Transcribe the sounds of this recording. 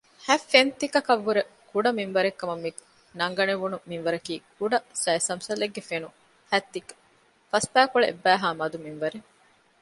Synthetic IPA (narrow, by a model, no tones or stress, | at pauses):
hæfːent̪ikɐkɐʋːuɾekuɖɐminʋɐɾekːɐmɐmːi | nɐŋɡɐneʋunuminʋɐɾɐkiːkuɖɐsɐisɐmsɐleɡːefenu | hæt̪ːikɐ̥ | fɐspæːkoɭeʔḛbːæːɦaːmɐd̪uminʋɐɾe